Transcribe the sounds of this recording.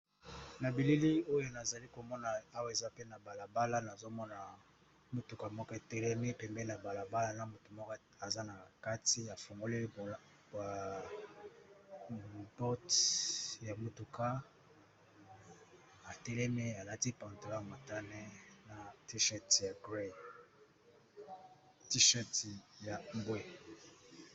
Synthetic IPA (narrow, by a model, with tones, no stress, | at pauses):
na˨bi˨li˦li˦o˦jo˦na˨za˨li˦ko˨mɔ˦na˨a˦wa˦˨e˨za˦pe˦na˨ba˨la˨ba˦la˦na˨zo˦mɔ˦na˨ | mu˨tu˨ka˨mɔ˦kɔ˦e˨tɛ˦lɛ˦mɛ˦pɛ˨mbɛ˦na˨ba˨la˨ba˦la˦na˦mo˨tu˨mɔ˦k | a˨za˦na˨ka˦ti˦a˨fu˨ŋɡo˦li˦˨ | a˨ | bɔ˦t | ja˨mo˨tu˨ka˦ | a˨tɛ˦lɛ˦me˦a˨la˦ti˦pa˨nto˨˦la˦˨ma˨ta˦nɛ˦na˨ti˦ʃɛ˦tja˨ɡʁe˦˨ | ti˦ʃɛ˦tja˨m˦bwe˦